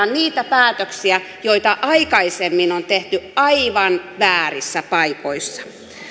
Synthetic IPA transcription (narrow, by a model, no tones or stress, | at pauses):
nniːt̪æpæːt̪øksiæ | joit̪ɑʔɑikɑisemːinont̪eht̪yɑiʋɑnʋæːrisːæpɑipoisːɑ̥